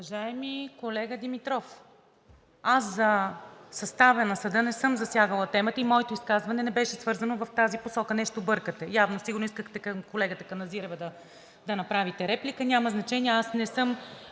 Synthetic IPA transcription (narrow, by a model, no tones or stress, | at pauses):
uvɐʒaɛmikolɛɡəd̪imit̪ɾɔf | aszɐsɐst̪avɛnɐsɐd̪ɤnɛsɤmzɐsʲjaɡəlˠət̪ɛmət̪əimɔɛt̪oiskazvɐnɛnɛbɛʃɛsvɤɾzɐnovɐft̪aziposɔkənɛʃt̪obɤɾkət̪ɛjavnosiɡʊɾnoiskəxt̪ɛkɐmkolɛɡət̪əkɐnɐziɾɛvəd̪ɐ | d̪ɐnɐpɾavit̪ɛɾɛplikənʲaməznɐt͡ʃɛniɛasnɛsɤm